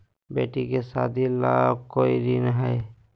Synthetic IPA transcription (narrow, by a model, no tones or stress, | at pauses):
bḛːʈikesaːd̪ʱilaːb̚koːiɾinəɦɛː